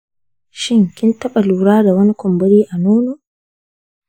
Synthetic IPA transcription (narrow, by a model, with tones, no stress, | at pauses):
ʃɪ˦ŋkʲɪ˦ntɐ˦ɓa˨luː˨ɽaː˦da˨wɐ˦ni˦kʷɔ˨mbɔ˦ɾiː˦ʔa˨nuː˦noː˨